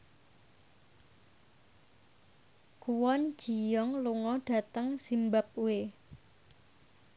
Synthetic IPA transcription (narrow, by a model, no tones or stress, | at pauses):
kuwɔn̥ʒ̥i̤jɔŋluŋɔɖ̥a̤t̪əŋsimbap̚we